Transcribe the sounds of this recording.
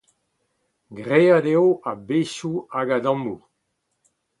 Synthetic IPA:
ɡʁeadeoabeʃuaɡadɑ̃mu

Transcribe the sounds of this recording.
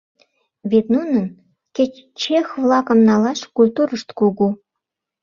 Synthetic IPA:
βet̪nunən | kʲet͡ɕ | t͡ɕexvlɑkəmnɑlɑʃkulʲt̪uɾəʃt̪kuɣu

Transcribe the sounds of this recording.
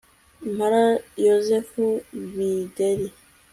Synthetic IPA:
maɾajozɛfuwidɛli

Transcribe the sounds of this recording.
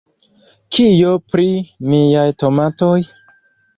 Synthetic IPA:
kʰijopɾimijajto̞matoj

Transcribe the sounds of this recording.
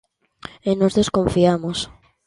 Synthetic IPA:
enozðeskoɱfiamos

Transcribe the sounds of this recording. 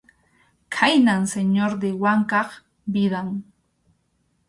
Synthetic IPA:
kʰajnaŋseɲoɾd̪ɪwaŋkɑχ | bɪd̪aŋ

